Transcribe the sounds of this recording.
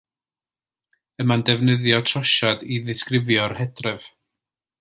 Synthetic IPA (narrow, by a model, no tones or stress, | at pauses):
əmandɛvnəðjɔtʰrɔʃadiðɪskrɪvjɔrhɛdrɛv̥